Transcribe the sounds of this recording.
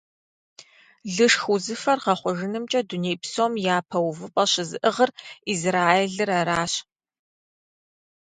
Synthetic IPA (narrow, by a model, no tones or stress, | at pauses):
ɮɨʂxuzɨfɐrqɐχʷɔʒɨnɨmt͡ʃʼɐduneːjpsoːmjaːpʰɐwvɨpʼɐɕɪzɨʔɨʁərizraːeɮɨraɾaːɕ